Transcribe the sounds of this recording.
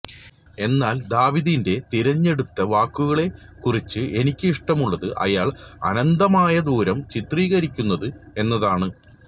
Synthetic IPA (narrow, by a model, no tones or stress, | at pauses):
e̞nːaːld̪aːʋiðinde̞t̪iɾɐɲːe̞ɽut̪ːɐʋaːkːuɣɐɭe̞ | kurit͡ɕːɨʔe̞nikʲːɨiʂʈɐmuɭːɐðɨʔɐ̰jaːɭɐ̰nɐnd̪ɐmaːjɐd̪uːɾɐmt͡ɕit̪riːɣɐɾikʲːunːɐðɨe̞nːɐðaːɳɨ